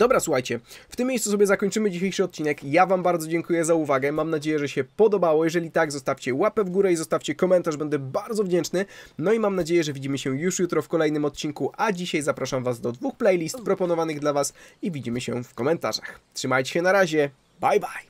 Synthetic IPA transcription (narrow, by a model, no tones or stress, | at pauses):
d̪̥ɔbɾaswuxajt͡ɕɛft̪ɘmːʲejssusɔbʲjɛzakɔɲʲt͡ʂɘmɘd͡ʑiɕejʂɘɔt̪̚t͡ɕinɛkjavambaɾd̪zɔd͡ʑɛŋkujɛzauvaɡɛmamnad͡ʑejɛʐɛɕɛpɔd̪ɔbawɔjɛʐɛlʲit̪aɡzɔst̪afʲt͡ɕɛwapɛvɡuɾɛizɔst̪afʲt͡ɕɛkɔmɛnt̪aʐbɛnd̪ɛbaɾd̪ɔvd͡ʑɛnt͡ʂnɘnɔimamnad͡ʑejɛʐɛvʲid͡ʑimɘɕɛjuʂjut̪ɾɔfkɔlɛjnɘmɔt̪̚t͡ɕiŋkuʔad͡ʑiɕajzapɾaʂamvazd̪ɔd̪vuxplɛjlʲist̪pɾɔpɔnɔvanɘɣd̪lavasivʲid͡ʑimɘɕɛ̰fkɔmɛnt̪a̰ʐaxtʂɘmajt͡ɕeɕɛnaɾaʑɛ | bajbaj